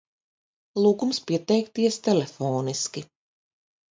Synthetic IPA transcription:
lˠuːkumspʲiɛt̪ɛjkt̪iɛst̪ɛlʲefoːniskʲi

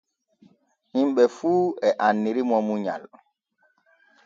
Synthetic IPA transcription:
himɓɛfuːɛʔanːiɾimɔmuɲa̰l

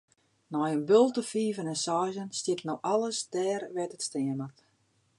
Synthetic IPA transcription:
nɔjənbølˠtəfiːvənɛnsɔːzənstjɪtnoʔalˠəsdɛːrʋɛtətstɪəmat

